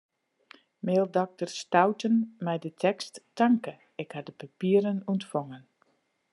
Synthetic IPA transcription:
meːlˠdɔk̚tərstawtənmɛjdətʰɛkstːaŋkə | ɪkhadəpapiəɾənuntfɔŋən

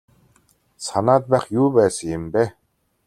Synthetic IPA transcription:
sanaːt̪̚pæːχjuːpæːsə̆ŋjɪmpæː

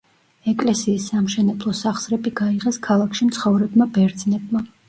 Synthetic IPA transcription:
ɛkʼlɛsiːsːamʃɛnɛblˠɔsaχsɾɛbiɡaiʁɛskʰalˠakʃimt̪sʰχɔvɾɛbmabɛɾd̪z̥nɛb̚ma

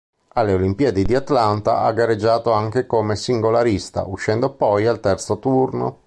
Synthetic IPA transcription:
alːeolimpiad̪ed̪iat̪lant̪a̰ʔaɡːaɾed͡ʒːaːt̪oaŋk̟ekomesiŋɡolaɾist̪a̰ʔuʃːɛnd̪opɔjalt̪ɛrt̪sot̪urno̰

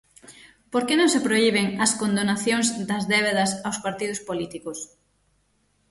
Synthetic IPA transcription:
poɾkenõŋsepɾoiβeŋɐskond̪onaθjoŋzd̪ɐzðɛβ̞eðɐsawspaɾt̪iðʊspolit̪ikʊs

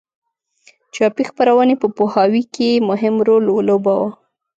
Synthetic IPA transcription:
t͡ʃɑpixpaɾawənepəpohɑwikemʊɦɪmɾolwolobawa

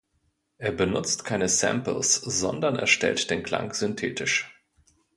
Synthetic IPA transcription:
ʔeːɐbənʊt͡stkʰaɪnəsɛ̰mpl̩sz̥ɔndɐnɛ̰ɐʃtɛ̰ltd̥eːnkl̥a̰ŋz̥ʏntʰeːtɪʃ

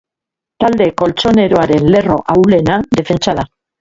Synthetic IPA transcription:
t̪ald̪e̞ko̞lt͡so̞ne̞ɾo̞aɾe̞nle̞ro̞̰ʔawle̞nad̪e̞fe̞nt͡saða

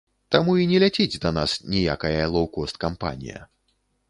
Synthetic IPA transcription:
t̪amuinʲɛlʲat͡sʲid͡zʲd̪ɐnasnʲija̰kɐjɐlˠɐwkɔst̪̚kampa̰nʲḭjɐ̰

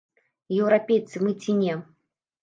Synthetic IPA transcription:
jɛwɾapʲejt̪sɨmɨt͡sʲinʲɛ

